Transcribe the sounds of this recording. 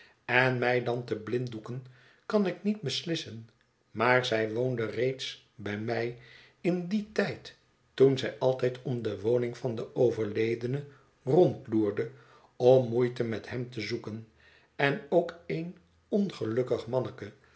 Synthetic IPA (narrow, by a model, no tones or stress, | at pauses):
ɛnmɛjdɑntəblɪndukən | kɑnɪknid̚bəslɪsən | maːɹzɛjʋowndərejts | bɛjmɛj | ɪnditɛjt | tunzɛjʔɑlˠtɛjtɔmdəʋownɪŋfɑndəʔowvəɹlejdənə | rɔntluːɹdə | ɔmːujtəmɛthɛmtəzukən | ɛnowkejn | ɔnχəlɵkəχmɑnəkə